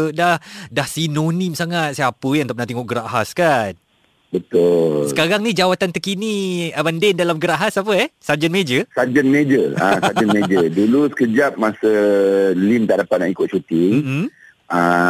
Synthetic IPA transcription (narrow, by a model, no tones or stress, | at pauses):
dahdahsinonimsaŋat̪̚siapəjãŋt̪ap̚nãt̪iŋɔʔɡəɾaʔɦaskan | bət̪ʊlssəkaɾaŋnid͡ʒawat̪ant̪əkiniabandɛndalamɡəɾaʔɦasap̬əɛhsad͡ʒənmed͡ʒəsad͡ʒənmed͡ʒəasaənmed͡ʒədulusə̥kəd͡ʒap̚masəlimt̪aʔdapat̪̚nãʔikʊt̪̚t͡ʃut̪i | ã